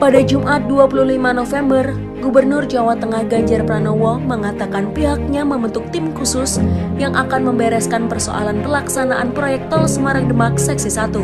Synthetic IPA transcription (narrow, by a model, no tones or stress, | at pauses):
padad͡ʒumʔat̪̚duapuluhlimanofɛmbər | ɡubərnʊrd͡ʒawat̪əŋahɡaɲd͡ʒarpɾanowɔŋməŋat̪akanpiɦak̚ɲaməmbənt̪ʊk̚t̪ɪmkusʊsjaŋʔakanməmbɛɾɛskanpərso̰ʔa̰lanpəlaksanaʔanpɾojɛk̚t̪ɔlsəmaɾaŋdəmak̚sɛksisat̪u